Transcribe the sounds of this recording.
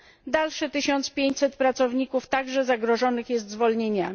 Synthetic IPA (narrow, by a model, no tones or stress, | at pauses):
d̪alʂɘt̪ɘɕɔnt̪spʲjeɲt͡ɕʲsɛt̪̚pɾat̪sɔvɲikuft̪aɡʐɛzaɡɾɔʐɔnɘxjɛs̬t̪zvɔlɲeɲa